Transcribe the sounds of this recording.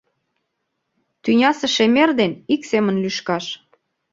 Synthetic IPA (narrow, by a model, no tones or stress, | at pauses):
t̪ynʲɑsĕʃemerd̪eniksemə̆nlyʃkɑʃ